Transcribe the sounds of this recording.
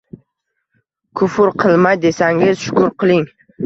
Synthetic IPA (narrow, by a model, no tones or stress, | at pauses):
kʰʊfʊɾqʰɨlˠmajd̪e̞saŋɪz̥ʃʊ̥kʊɾqʰɨlˠɪŋ